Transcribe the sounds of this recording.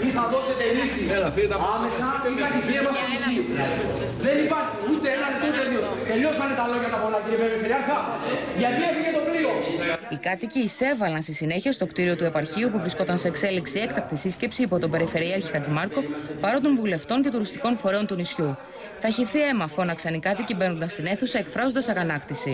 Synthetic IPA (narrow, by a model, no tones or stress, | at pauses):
iθɐðo̞se̞t̪enis | ɐme̞sɐiθɐtiθiemɐst̪onisiu | ðe̞nipɐɾçiut̪eenɐlit̪out̪eðiot̪e̞ʎo̞sɐnet̪ɐlo̞ʝɐt̪ɐpolɐtiɾipe̞ɾife̞ɾiɐɾxɐʝɐt̪iefiʝet̪o̞plioikɐt̪iciːse̞vɐlɐnst̪isine̞çiɐst̪o̞kt̪iɾio̞t̪ue̞pɐɾçiupuvɾisko̞t̪ɐnsekse̞liksie̞kt̪ɐk̚t̪isisce̞psiːpo̞t̪obe̞ɾife̞ɾiɐɾçixɐd͡zimɐɾko̞pɐɾo̞t̪o̞ɱvule̞ft̪o̞ɲce̞t̪oɾust̪iko̞nfoɾe̞o̞nt̪unisçu | θɐçiθie̞mɐfo̞nɐksɐnikɐt̪icibe̞no̞nd̪ɐst̪ine̞θusɐe̞kfɾɐzond̪ɐsɐɣɐnɐkt̪isi